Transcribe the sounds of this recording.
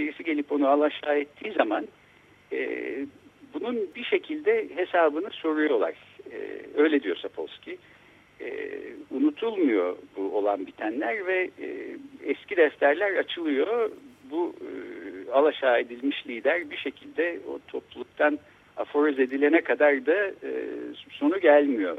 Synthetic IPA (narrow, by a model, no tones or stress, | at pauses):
biɾisiɟe̞lʲipo̞nualˠaʃaːɛt̪ʰːiːzaman | ɛ̰ | bununbiʃe̞cʰilʲd̪ɛɦe̞saːbɯnɯso̞ɾujo̞lˠa̰ɾ̥̰ | ø̞jlʲed̪ijo̞ɾsapʰo̰scʰi | ɛ̰unut̪ʰulˠmujo̰buolˠanbit̪ʰænlʲæɾvɛ | ɛscid̪ɛft̪ʰæɾlʲæɾat͡ʃʰɯlˠɯjo̞bu | alˠaʃaːe̞d̪ilʲmiʃlʲiːd̪æɾbiʃe̞cʰilʲd̪ɛo̰t̪ʰo̞plˠulˠuk̚t̪ʰan | a̰fo̞ɾøze̞d̪ilʲe̞nɛkʰad̪aɾd̪a | so̞nuɟælʲmijo̞̰